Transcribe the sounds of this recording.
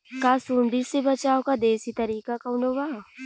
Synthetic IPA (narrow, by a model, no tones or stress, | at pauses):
kaːsuːnd̪iɾsebɐt͡ʃaːokad̪eːsit̪ɐɾiːkakaʊnoːɡaː